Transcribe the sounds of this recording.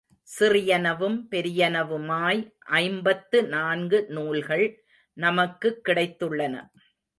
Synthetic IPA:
sɪrɪjɐnɐʋɯmpɛɾɪjɐnɐʋɯmaːjʔɐɪmbɐt̪ːɯnaːnɡɯnuːlɣɐɭ | nɐmɐkːɯkːɪɽɐɪt̪ːɯɭːɐnɐ̰

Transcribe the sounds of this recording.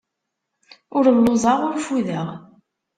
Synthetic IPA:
ʊɾəllozˤɑʁʊɾfuðəʁ

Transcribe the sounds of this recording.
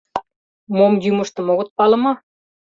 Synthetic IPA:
momjymɤ̆ʃt̪ɤ̆moɣɤ̆t̪̚pɑlɤ̆mɑ

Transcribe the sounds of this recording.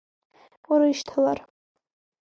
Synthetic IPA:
uɾaiʃtʰalar

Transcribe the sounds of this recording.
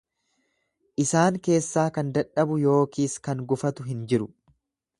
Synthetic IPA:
ʔɪsaːŋke̞ːsːaːkɐnd̪ɐᶑɐbʊjo̞ːkiːskɐŋɡʊfɐt̪ʊɦɪnd͡ʒɪɾʊ

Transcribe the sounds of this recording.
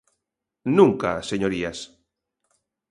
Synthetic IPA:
nũŋka̰seɲoɾias

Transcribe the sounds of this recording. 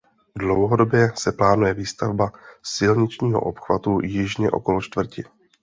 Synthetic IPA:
dlowɦo̞do̞bjɛsɛplaːnujɛviːst̪avbasɪlɲɪt͡ʃɲiːɦo̰ʔo̞pxva̰t̪ujɪʒɲɛ̰ʔo̞̰kolot͡ʃt̪vr̩cɪ

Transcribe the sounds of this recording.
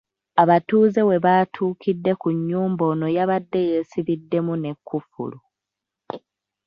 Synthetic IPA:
aβatuːze̞we̞βaːtʰuːkidːe̞kuɲːuːmbo̞ːno̞jaβadːe̞je̞ːsiβidːe̞mune̞kːufṵlu

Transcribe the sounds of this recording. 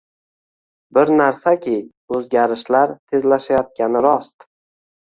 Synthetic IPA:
bɪɾnaɾsakʲʰɪ | ɵzɡʲaɾɪʃlaɾt̪ʰe̞zlaʃajɒt̪̚kʲʰanɪɾɒst̪

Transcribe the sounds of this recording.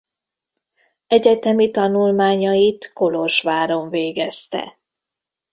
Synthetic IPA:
ɛɟɛt̪ɛmit̪ɒnulmaːɲɒjit̪ko̞loʃʋaːɾoɱveːɡɛst̪ɛ̰

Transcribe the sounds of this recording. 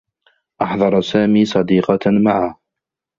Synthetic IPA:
ʔɑħðˤɑɾˤsaːmiːsˤɑd̪iːqɑmaʕa

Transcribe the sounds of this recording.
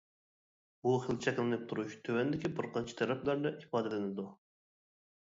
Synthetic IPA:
buχəlˠt͡ʃʰɛkʲlˠɨnɨp̚t̪ʰuɾuʃt̪ʰøwɛnd̪ɪkʲibɨɾqʰɑnt͡ʃʰi̥t̪ʰɛɾɛplæɾd̪ɛʔifɑːd̪ɛlɪnɪd̪u

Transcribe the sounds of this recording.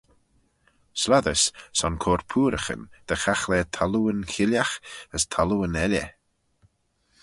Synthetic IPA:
slaðəssɔnkʰoːɾpʰuːɾəxə̰nd̪̥əxaxlɛːt̪ʰaluənkɪljaxəst̪ʰaluənɛlʲə̰

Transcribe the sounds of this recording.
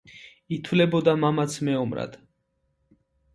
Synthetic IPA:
it̪ʰwlɛbɔd̪amamat̪sʰmɛɔmɾa̰d̪̥

